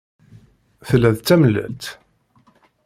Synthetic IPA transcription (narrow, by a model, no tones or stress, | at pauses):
θəlːæðt͡sːæməlːæ̰lt̪